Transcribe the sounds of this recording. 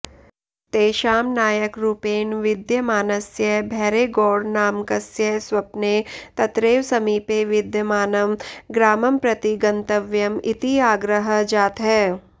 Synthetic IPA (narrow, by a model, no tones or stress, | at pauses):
t̪eːʃaːmnaːjəkɾuːpeːnʋɪd̪ʱjəmaːnɐsjɐbʱɛːɾeɡɔːɽnaːmkɐsjɐswɐpnet̪ɐt̪ɾeːʋsɐmiːpeʋɪd̪ʱjɐmaːnɐmɡɾaːmɐmpɾɐt̪iɡɐ̃nt̪əʋjɐmɪt̪iaːɡɾəɦəd͡ʒaːt̪ɦɛː